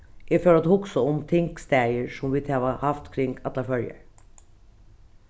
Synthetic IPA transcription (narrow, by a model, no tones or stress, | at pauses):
ʔɪføːɾɑt̪hʊksəʊmt̪ʰɪŋkst̪æɾjəʂɔmʋiːt̪ʰɛʋɑhɑft̪kʰɾɪŋɡɑt̪ɑfœljə̰ɾ